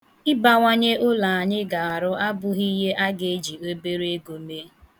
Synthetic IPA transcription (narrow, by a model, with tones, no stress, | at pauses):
ɪ˦ba˨ŋʷa˦ɲe˦ʔʊ˦la˨a˨ɲɪ˦ɡa˨a˨ɾʊ˦ʔa˦bʊ˦ɣi˦ɦe˦ʔa˦ɡe˨˦d͡ʒi˨o˦be˦ɾe˦ɡo˨me˦